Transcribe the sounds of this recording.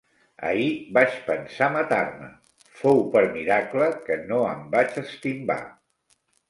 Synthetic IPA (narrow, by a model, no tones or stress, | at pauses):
ə̰ibat͡ʃpənsamət̪armə̰ | fowpəɾmiɾakləkənoəmbat͡ʃəst̪imba̰